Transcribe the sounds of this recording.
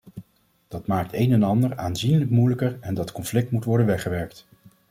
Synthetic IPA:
d̥ɑtmaːk̚tejnɛnɑndəɹaːnzinləkmujləkəɹɛndɑtkɔnflɪk̚tmutʋɔɹdənʋɛχəʋɛɹkt

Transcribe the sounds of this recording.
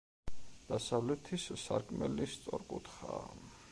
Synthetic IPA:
d̪̥asavlɛt̪ʰissaɾkʼmɛlist̪sʼɔɾkʼut̪ʰχa

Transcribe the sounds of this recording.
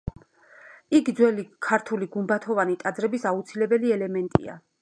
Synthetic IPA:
ikd̪zwɛlikʰaɾt̪ʰuliɡumbat̪ʰɔvanit̪ʼad̪zɾɛbisaut̪sʰilɛbɛliɛlɛmɛnt̪ʼḭa̰

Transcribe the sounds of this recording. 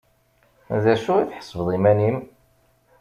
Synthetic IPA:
ðæʃʊʁiθħə̥sˤːvəðˤimænim

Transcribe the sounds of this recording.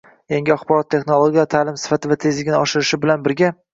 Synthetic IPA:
jaŋɡʲɪaχbɒɾɒt̪ʰːe̞xnolˠoɡʲijat̪ʰaːlɪmsɪ̥fat̪ʰɪvat̪ʰe̞zlɪɡʲɪnɪɒʃɪɾɪʃɪbɪlanbɪɾɡʲa

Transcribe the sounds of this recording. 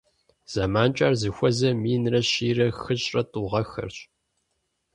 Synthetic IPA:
z̥ɐmaːnt͡ʃʼaːrzɨxʷɔzɐmiːnrɐɕiːrɐxɨɕʼrɐtʼuʁɐxɐ̰rɕʼ

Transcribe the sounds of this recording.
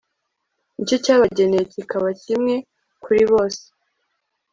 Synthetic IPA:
nicocaːβaɟe̞neecikaβacimŋe̞ | kʰuɾiβo̞ːse̥

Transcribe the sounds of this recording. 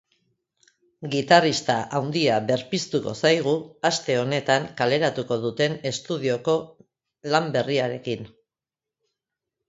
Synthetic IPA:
ɡit̪arist̪aʔawnd̪iaβe̞ɾpist̪uko̞̰sajɣ̞uast̪e̞o̞ne̞t̪aŋkale̞ɾat̪uko̞ð̞ut̪e̞ne̞st̪uð̞io̞ko̞ | lambe̞riaɾe̞kin

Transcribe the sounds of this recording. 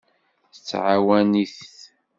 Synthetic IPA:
θət͡sːʕawæniθ

